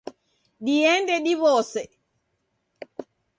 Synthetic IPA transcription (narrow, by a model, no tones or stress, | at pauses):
ɗijɛndɛɗiβɔːsɛ